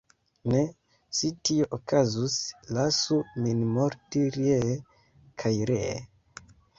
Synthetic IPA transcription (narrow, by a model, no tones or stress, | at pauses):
ne | sitioʔokazuslasuminmoɾtiɾje | kʰajɾe